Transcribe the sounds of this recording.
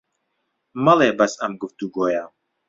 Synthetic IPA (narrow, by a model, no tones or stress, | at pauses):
mɐlɛbɐsamɡuft̪uɡoːja